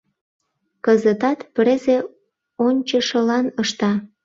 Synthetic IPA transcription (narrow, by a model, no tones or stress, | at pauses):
kəzət̪ɑt̪pɾeze | onʲt͡ɕəʃəlɑnəʃt̪ɑ